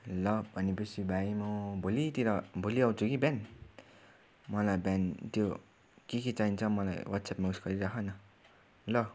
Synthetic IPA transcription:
lʌbʱʌnepʌsʰibʱajmubʱolit̪iɾʌbʱoliaw̃t͡sʰukiban | mʌlajbant̪jo | keket͡saɦint͡sʰʌmʌla̰jwʌt̪sʰapmausɡ̥ʌɾiɾakʰʌnʌ | lʌ

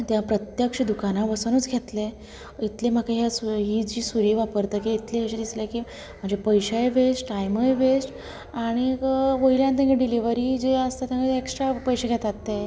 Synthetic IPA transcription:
t̪jãpɾət̪jəkʂəd̪ukanabəsənut͡sɡʱet̪le | it̪lem̤akaɦjasuɦid͡ʑiːsuɾiːʋapəɾt̪əkiit̪leɦəɕid̪islekiː | m̤əɳd͡zepəjɕaeʋesʈʈajməeʋesʈ | aɽ̃iʋəiljant̪jãŋɡeɖiliʋəɾid͡ʑeəst̪at̪jãkeeksʈɾapəjɕeɡʱet̪at̪ːe

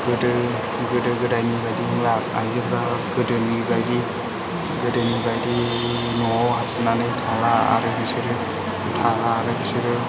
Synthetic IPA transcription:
ɡ̥ɯdɯ | ɡɯdɯɡɯdajnibajdiŋlaka̰jzɯɾbaɡɯdɯnibajdi | ɡɯdɯnibajdi | nɔɦap̚sɯnanɯjtʰalaa̰ɾɯbʰisɯɾɯ | tʰalaːɾɯbisɯɾɯ

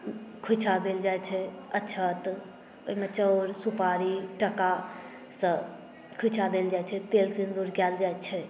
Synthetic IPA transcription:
kʰut͡ʃʰad̪eld͡ʒajt͡ʃʰɛətːʃʰət̪ | oimet͡ʃəɾsupaɾiʈəka | sə̃ | kʰut͡ʃʰad̪eld͡ʒajt͡ʃʰɛt̪elsind̪uɾkɛld͡ʒajtt͡ʃʰɛ

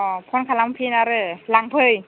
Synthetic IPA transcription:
pʰɔnkʰalampʰinaɾɯlaŋpʰɯj

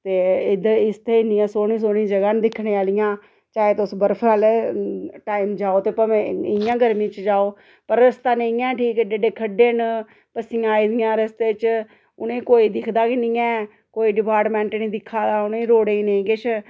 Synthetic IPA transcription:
t̪eːɪd̪ɪst̪ʰeːɪnĩːãːsoːɳĩːs̬oːɽ̃ĩːd͡ʒəɡaːnd̪ɪkʰneːaːlɪjãː | t͡ʃaːeːt̪ʊsbəɾfʰal | ʈaːiːmd͡ʒaːoːt̪eːpəmɛ̃ɪjãːɡəɾmĩːt͡ʃd͡ʒaːoː | pəɾːəst̪aːnəĩːɛ̃ːʈʰiːkɛɖeɖeːkʰəɖeːn | pəsɪjãːiːd̪ɪjãːɾəst̪eːt͡ʃ | ʊnẽːkoːiːd̪ɪkʰd̪aːkɪnɪːɛ̃ː | koːiːɖɪpaːɾʈmɛ̃ːɳʈnĩːd̪ɪkʰːaːd̪aːʊnẽːɾoːɽeːĩːnẽĩːɡɪt͡ʃʰ

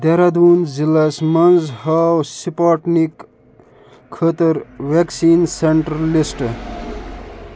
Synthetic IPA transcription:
d̪eɾad̪uːnzilasmɐnzhawsipaːʈnik | kʰːəːt̪əɾʋeksiːnseɳʈɾəlisʈ

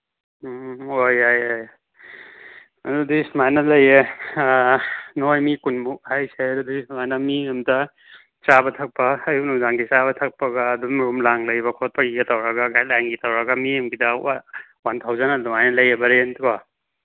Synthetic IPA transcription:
ojajoj | dudismajnɐlɐje | nojmikunmuk̚hajsedudismajnɐmiemta | t͡ʃabɐtʰɐk̚pɐːjunudaŋɡit͡ʃabɐtʰɐk̚pɐɡaːdumɾumlaŋlɐjbɐkʰot̚pʰaɡiɡatawɾaɡaɡajlaŋɡitawɾaɡamiemɡidɐ | wantʰawzanadumajnɐlɐjebɐɾentka

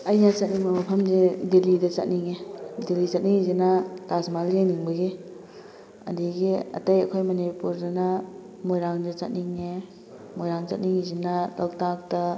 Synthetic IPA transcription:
ɐjnɐt͡ʃɐt̚niŋbɐmɐpʰɐmzedelidɐt͡ʃɐ̰t̚niŋedelit͡ʃɐt̚niŋizinɐtasmaleniŋbɐɡi | ɐ̰diɡiɐ̰tɐjɐkʰojmɐnipuɾdɐnɐ | mojɾaŋdɐt͡ʃɐt̚niŋe | mojɾaŋt͡ʃɐ̰t̚niŋizinɐlawtak̚tɐ

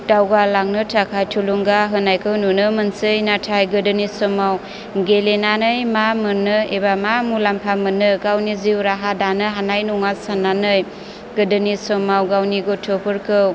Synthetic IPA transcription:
d̥awɡalaŋnɯtʰakʰajtʰuluŋɡaɦɯnajkʰɯwnunɯmɯnsɯjnatʰajɡɯdɯnisɔmaw | ɡelenanɯjmamɯnɯebamamulampʰamɯnɯɡawniziwɾaɦadanɯɦanajnuŋasananɯj | ɡ̥ɯdɯnisɔmawɡawniɡotʰopʰɯɾkʰɯw

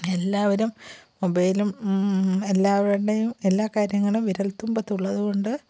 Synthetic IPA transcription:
e̞lːaːʋɐɾumː | obɐjlum | e̞lːaːʋɐɾuɽejume̞lːaːkaːɾjɐŋːɐɭumʋiɾɐlt̪ːumbɐt̪ːuɭːɐðuɣo̞ɳɖɨ

